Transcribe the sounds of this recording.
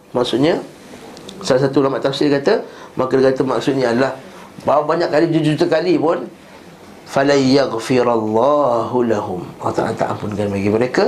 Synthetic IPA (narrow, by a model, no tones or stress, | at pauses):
maksʊʔ̪ɲa | salas̬at̪ulamaʔt̪afsildikat̪amʔakədəkat̪əmaksʊt̪̚niadalah | bawbaɲaʔkːalid͡ʒud͡ʒuut̪əkalipʊn | falajaɣfiɾalːɑhlaɦʊmat̪a̰ʔa̰lat̪a̰ʔa̰mpʊnkanbaɡiməɾeka